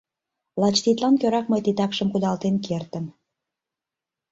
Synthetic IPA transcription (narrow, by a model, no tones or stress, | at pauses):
lɑt͡ɕt̪it̪lɑnkøɾɑk̚məjt̪it̪ɑkʃəmkud̪ɑlt̪enkʰert̪ən